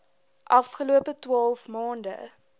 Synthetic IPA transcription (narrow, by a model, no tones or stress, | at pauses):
ʔɐfχəluəpətwɑːlˠfmɑːndə̰